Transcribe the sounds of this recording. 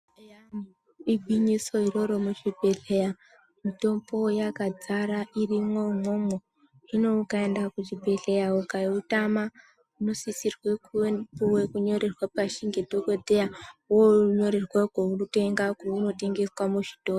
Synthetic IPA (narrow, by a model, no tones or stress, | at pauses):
jam | ibʱiɲiso̞iro̞ɾomut͡ʃibʱe̞ɮeja | mito̞mbo̞jakad͡zaɾaʔirimo̞momo | ino̞ukaendakut͡ʃibʱe̞ɮejaukaiutama | uno̞sisirweuwekuɲo̞ɾerwapaʃiŋɡedʱoko̞dʱejawoɲo̞ɾerwakounuteŋɡakuuno̞te̞ŋɡe̞swamuʒi̥to̞ːro